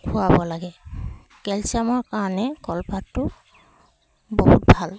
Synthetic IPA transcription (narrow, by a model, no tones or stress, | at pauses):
kʰʊabɔlaɡɛ | kɛlsiamɔɹkaɹɔnɛkɔlpatːʊ | boɦut̚bʱal